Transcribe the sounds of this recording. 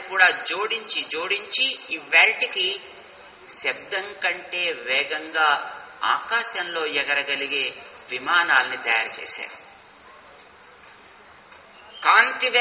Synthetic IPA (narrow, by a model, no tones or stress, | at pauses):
kuːɽaːd͡ʒoːɽiɲt͡ʃid͡ʒoːɽiɲt͡ʃiːʋɐlʈiki | sɛbd̪ɐŋkɐɳʈe̞ːʋɛːɡɐŋɡaːa̰ːkaːʃɐnlo̞ːjɛɡɐɾɐɡɐliɡe̞ːʋimaːnaːlɐnit̪ɐja̰ːɾt͡ʃḛːʃa̰ːɾu | kaːnt̪iʋ